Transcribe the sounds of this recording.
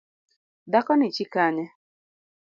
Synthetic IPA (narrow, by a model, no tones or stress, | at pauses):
dakɔnit͡ʃikaɲɛ